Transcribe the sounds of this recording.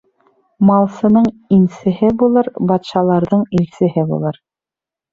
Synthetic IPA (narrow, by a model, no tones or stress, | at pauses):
mɑlˠsɤ̆nɤɴinsɘ̆hɘbulˠɤɾbɑt̪ʃɑlˠɑɾðɤɴilsɘ̆ɦɘbṵlˠɤɾ